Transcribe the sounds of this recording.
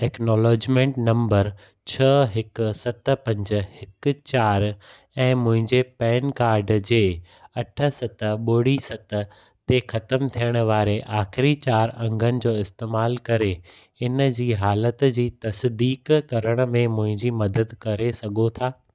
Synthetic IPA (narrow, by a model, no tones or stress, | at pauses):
ʈɛːknɔːlɔːd͡ʑmẽːɳʈnɐ̃mbəɾ | t͡ɕʰɐɦɪkʊ̆sɐt̪̆pɐ̃ɲd͡ʑə̆hɪk̆t͡ɕaːɾ | ɛ̃ːmʊ̃ɦɪ̃ɲd͡ʑepɛːnkaːɾɖd͡ʑeː | ɐʈʰə̆sɐt̪ə̆ɓoːɽisɐt̪̆ | t̪exɐt̪əmt̪ʰijəɽ̃ə̆ʋaːɾeʔaːxɪɾit͡ɕaːɾɐ̃ŋɡʱənɪ̆d͡ʑoːɪst̪eːmaːlkɐɾe | ɪnəd͡ʑiːɦaːlət̪d͡ʑiːt̪ɐsd̪iːkkɐɾəɽ̃ə̆mẽmʊ̃ɦɪ̃ɲd͡ʑimɐd̪əd̪kɐɾesɐɡʱot̪ʰaː